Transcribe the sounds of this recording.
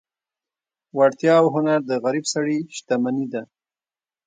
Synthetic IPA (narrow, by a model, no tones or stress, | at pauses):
waɽt̪jɑwɦʊnaɾd̪əɣaɾibsaɽiʃt̪amanid̪a